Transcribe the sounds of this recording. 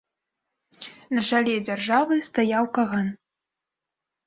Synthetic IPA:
nɐʐalʲɛd͡zʲarʐavɨst̪ajawkaɣan

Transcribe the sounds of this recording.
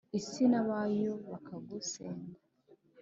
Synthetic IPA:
isinaβaːjoβakaɡuseːnda

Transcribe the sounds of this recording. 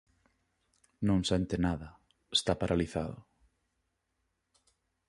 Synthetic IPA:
nõŋsɛnt̪ɪnaðɐ | est̪apaɾʔaliθaðʊ

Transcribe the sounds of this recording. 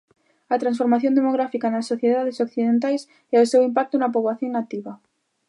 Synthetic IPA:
ɐt̪ɾansfoɾmaθjõnd̪emoɣ̞ɾafikanɐsːoθjeðaðesokθiðent̪ajs | ɛʊsewimp̬ak̚t̪ʊnɐp̬oβaθjoŋnat̪iβɐ

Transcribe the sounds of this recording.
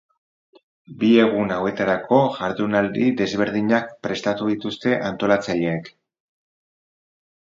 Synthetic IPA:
bie̞ɣ̞unawe̞t̪aɾakʰo̞ʝaɾðunald̪iðe̞zβe̞ɾðiɲak̚pɾe̞st̪at̪uðit̪ust̪e̞ʔant̪o̞lat͡saʎeːk

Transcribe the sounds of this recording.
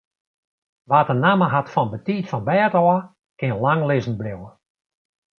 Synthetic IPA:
ʋatənaməɦatfɔnbətiːtfɔnbɛːtɔə | kɪənlaŋlɪzn̩blɪwə

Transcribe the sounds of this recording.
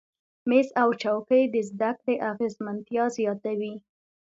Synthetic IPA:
mezawt͡ʃawkəjd̪əzd̪akleʔaɣezmant̪jɑzjɑt̪awi

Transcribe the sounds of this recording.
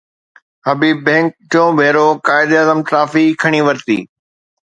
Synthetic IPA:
ɦɐbiːbːẽːŋk̚t̪õːʋʱeːɾokaːɪd̪ɐzəmʈɾaːfikʰɐɽ̃iʋɐɾt̪ḭː

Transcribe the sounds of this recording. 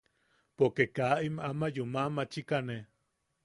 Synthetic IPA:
pokekaʔimamajumamat͡ʃikane

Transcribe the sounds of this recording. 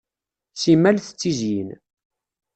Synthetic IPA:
simælθə̥t͡sːizjin

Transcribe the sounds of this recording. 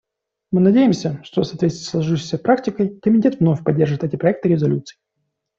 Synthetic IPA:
mɨnɐdʲejɪmsʲəʂt̪osɐːt̪vʲesʲslˠɐʐɨʂɕə̥jsʲəpɾaktʲɪkəjkəmʲɪtʲet̪vno̞fʲpɐdʲːe̞rʐɨt̪ɛtʲɪpɾɐɛk̚t̪ɨɾʲɪzɐlʲut̪sɨɪ

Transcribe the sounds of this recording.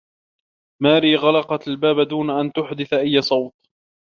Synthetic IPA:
maːɾiːɣɑlɑqɑt̪albaːbad̪uːnaʔant̪ʊħd̪ɪθaʔajːasˤɑwt̪̚

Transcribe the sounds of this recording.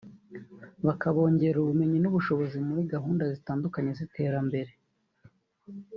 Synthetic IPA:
βakaβo̞ːɲɟe̞ɾuβume̞ɲinuβuʃo̞βo̞zimuɾiɡaɦuːndazitaːndukaɲe̞zite̞ːɾambe̞ɾe̞

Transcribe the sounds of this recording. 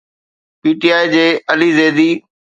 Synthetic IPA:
piːʈiːaːid͡ʑeːəliːzeːd̪iː

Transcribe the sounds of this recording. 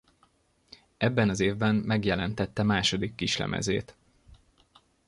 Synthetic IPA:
ɛbːɛnɒzeːvbɛmmɛɡjɛlɛnt̪ɛt̪ːɛmaːʃo̞d̪ikːiʃlɛ̰mʔɛ̰zḛːt̪

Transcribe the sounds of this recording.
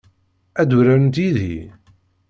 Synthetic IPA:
æd̪uɾæɾnt̪iðḭ

